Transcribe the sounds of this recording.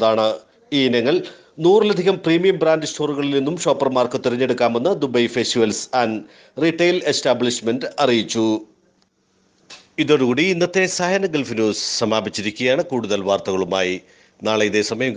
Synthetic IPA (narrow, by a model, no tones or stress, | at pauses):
ðaːɳɨ | iːinɐŋːɐɭ | nuːrilɐd̪ʱiɣɐmpriːmijɐmbraːndɨsʈo̞ːruɣɐɭilninːumɕo̞ːpːɐrmaːrkɨt̪ːiɾɐɲːe̞ɽukːaːme̞nːɨd̪ubɐjfestiʋɐlsɐn | riʈːejle̞staːbɭiɕmendɐrijit͡ɕːu | iðo̞ɾukuːɽiinːɐt̪ːe̞sɐɦɐnɐɡelfnjuːssɐmaːbit͡ɕːiɾikʲːuɣɐjaːɳɨkuːɽuðɐlʋaːrt̪ɐɣɐɭumaːji | naːɭeiðe̞sɐmɐjɐm